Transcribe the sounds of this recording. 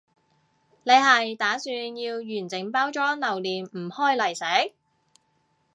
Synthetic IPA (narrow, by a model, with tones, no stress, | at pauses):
ne˨˧jɦɐ˨jt̪aː˨˥syː˧njiː˧wjyː˨˩nt͡sɪ˨˩ŋpaː˥wt͡ʃɔː˨˥nɐ˨wliː˨nm̩˨˩hɔː˥jlɐ˨˩jsɛː˨˥